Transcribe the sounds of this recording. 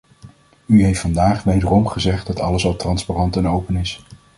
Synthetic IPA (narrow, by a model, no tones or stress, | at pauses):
yɦejftfɑndaːχʋejdərɔmχəzɛχd̚dɑtɑ̰ləsɑlˠtrɑnsparɑntɛnowpənɪs